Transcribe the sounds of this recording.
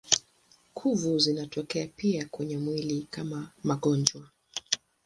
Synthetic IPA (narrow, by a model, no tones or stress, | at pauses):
kʰuvuzinatɔkɛapiakwɛɲɛmwilikamamaɠɔnd͡ʒwa